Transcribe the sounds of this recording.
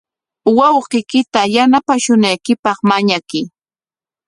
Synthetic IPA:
wɑwqɪkɪt̪ajanapaʃʊnajkɪpɑχmaɲakɪ

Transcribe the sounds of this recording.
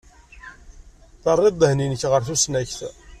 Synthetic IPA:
θərˤːɪd̪ˤːəhninəçʁəɾθusnæçθ

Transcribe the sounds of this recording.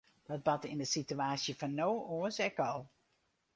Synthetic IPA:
d̥ɔd̚bɑtɪndəsityaːsjəfɑnːowoəsɛkɑlˠ

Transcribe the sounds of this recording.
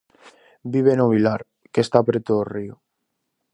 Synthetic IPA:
biβ̞enoβ̞ilaɾ | kest̪apɾet̪oorio

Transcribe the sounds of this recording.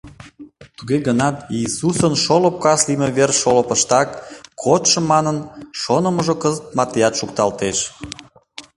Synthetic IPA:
t̪uɣeɣənɑt̪iːsusənʃolop̚kɑslimeβerʃolopəʃt̪ɑkːʰot̪ʃə̆mːɑnənʃonəməʒokəzət̪̚mɑt̪ejɑt̪ʃuk̚t̪ɑlt̪eʃ

